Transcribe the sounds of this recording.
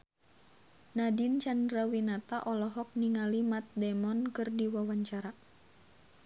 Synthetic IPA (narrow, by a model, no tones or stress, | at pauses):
nadint͡ʃandɾawinat̪aʔɔlɔɦɔk̚niŋalimat̪̚dɛmɔnkɨrdiwawaɲt͡ʃaɾa